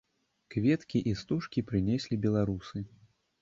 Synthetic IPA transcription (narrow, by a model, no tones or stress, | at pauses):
kvʲɛt̪kʲiʔist̪uʂkʲipɾɨnʲesʲlʲibʲɛlˠaɾusɨ